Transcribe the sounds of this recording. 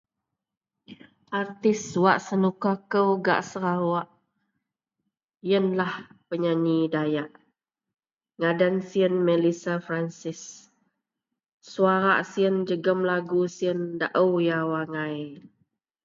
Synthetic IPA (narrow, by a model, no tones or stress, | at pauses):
ʔart̪ɪswaʔsənukakəwɡa̰ʔsəɾawaʔ | jənlahpəɲaɲidajaʔ | ŋadansiənmɛlisafɾansɪs | uaɾa̰ʔsiənd͡ʒəɡəmlaɡusiənda̰ʔəwjawaŋaj